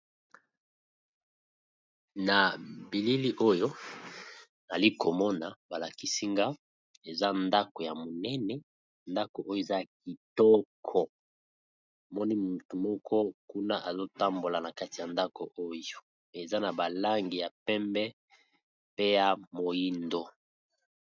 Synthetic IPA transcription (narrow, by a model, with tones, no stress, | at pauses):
na˨bi˨li˦li˦ʔo˦jo˦ | na˨li˦ko˨mɔ˦na˨ba˨la˨ki˦si˦ŋɡa˦ | e˨za˦nda˦ko˨ja˨mo˨nɛ˦nɛ˨ | nda˦ko˨ʔo˦jo˦˨e˨za˦˨k̚i˨tɔ˦kʰɔ˨ | mɔ˦ni˦mu˨tu˨mɔ˦kʰɔ˦ku˦na˦ʔa˨zo˦ta˦mbo˨la˨na˨ka˦ti˨ja˨nda˦ko˨ʔo˦jo˨ | e˨za˦na˨ba˨la˦ŋɡi˨ja˨pɛ˦mbɛ˦ | pe˦ja˨mo˨ji˦ndo˨